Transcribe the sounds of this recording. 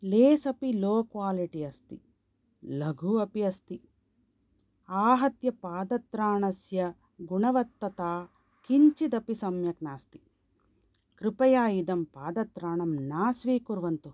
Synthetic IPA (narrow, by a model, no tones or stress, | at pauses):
leːsɐpiloːkʋaːliʈiɐst̪ḭ | lɐɡʱuɐpiɐst̪i | aːɦɐt̪jɐpaːd̪ɐt̪ɾaːɳɐsjɐ | ɡuɳɐʋɐt̪ːɐt̪aː | kiɲt͡ʃid̪ɐpisɐmjɐknaːst̪i̥ | kɾɪpɐjaːjid̪ɐmpaːd̪ɐt̪ɾaːɳɐmnaːsʋiːkuɾʋɐnt̪u